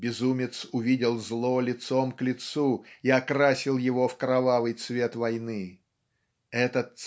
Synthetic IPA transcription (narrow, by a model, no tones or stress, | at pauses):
bʲɪzumʲɪt̪sʊvʲidʲɪlˠzlˠolʲɪt̪somklʲɪt̪suiɐkɾasʲɪlˠjɪvofkɾɐvavɨjt̪svʲe̞t̪vɐjnɨ | ɛt̪ət̪ː